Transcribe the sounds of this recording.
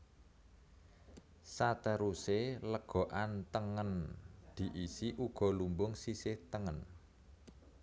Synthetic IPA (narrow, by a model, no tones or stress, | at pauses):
sat̪əɾuseləɡ̥ɔ̤ʔant̪əŋənd̪̥i̤ʔisiʔuɡ̥ɔ̤lumbʊŋsisɪht̪əŋən